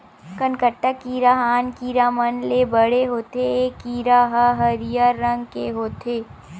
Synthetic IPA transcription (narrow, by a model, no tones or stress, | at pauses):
kənkəʈːəkiɾaɦaːnkiɾaːmənlebəɽeɦoːt̪eːkiːɾaɦəɦɐɾijaɾːə̃ŋɡkeɦoːt̪ʰeː